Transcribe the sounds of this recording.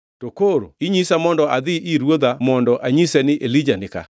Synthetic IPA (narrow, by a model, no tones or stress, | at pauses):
tokoɾoiɲisamɔndɔʔad̪ɪʔiɾwod̪amɔndɔʔaɲisɛnɪʔelid͡ʒanɪka̰